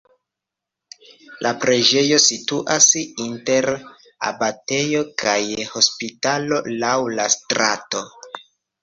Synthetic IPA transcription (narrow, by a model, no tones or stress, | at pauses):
lʔapɾe̞d͡ʒe̞jo̞situʔasinte̞ɾ | a̰bate̞jo̞kʰajho̞spitalo̞lawlastɾa̰to̞